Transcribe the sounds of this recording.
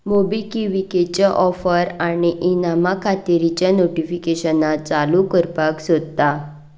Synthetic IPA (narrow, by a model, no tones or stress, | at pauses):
mobikiʋiket͡ɕaʔɔfəɾañiʔinamakʰat̪iɾit͡ɕjanoʈifikeɕənat͡salukəɾpaksod̪t̪a